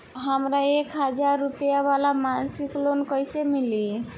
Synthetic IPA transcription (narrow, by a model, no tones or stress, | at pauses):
ɦəmɾaekɦəd͡ʒaɾːupijabalamansiklonkəjsemili